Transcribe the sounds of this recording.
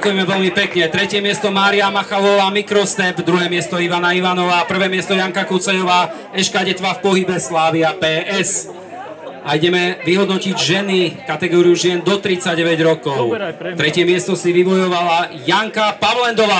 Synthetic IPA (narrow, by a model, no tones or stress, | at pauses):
akujɛmɛʋɛʎmipɛkɲɛt̪ɾɛcɪɛmɪɛst̪ɔmaːɾiamaxaʋɔʋaːmikɾɔst̪ɛbd̪ɾuɦɛːmɪɛst̪ɔiʋanaiʋanɔʋaːpr̩ʋɛːmɪɛst̪ɔjaŋkakut͡sɛjɔʋaː | ɛʃkaɟɛt̪ʋaːfpɔɦibɛslaːʋiapɛːʔɛs | aiɟɛmɛʋiɦɔd̪nɔciɟʒɛnikat̪ɛɡɔːɾijuʒɪɛnd̪ɔt̪ɾit͡saɟɛʋɛɟɾɔkɔʊt̪ɾɛcɪɛmɪɛst̪ɔsiʋiʋɔjɔʋalajaŋkapaʋlɛnd̪ɔʋaː